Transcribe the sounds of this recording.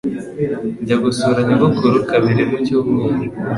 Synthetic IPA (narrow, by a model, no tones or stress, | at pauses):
ɲɟaɡusuɾaɲaβukuɾukaβiɾemucumi